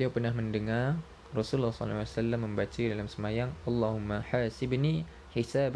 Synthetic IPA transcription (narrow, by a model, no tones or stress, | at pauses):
liawpərnahməndəŋar | rɔsullːɑhsɔ̰lawasalːamːəmbat͡ʃaidalamsəmajaŋʔalːaɦumːaħaːsɪbni | ħisab